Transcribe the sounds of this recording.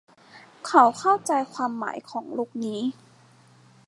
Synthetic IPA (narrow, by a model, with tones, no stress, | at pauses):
kʰa˨˩˦wkʰa˥˩wt͡ɕa˧jkʰwaː˧mːa̰ː˩˦jkʰɔː˩˦ŋluː˥˩k̚niː˦˥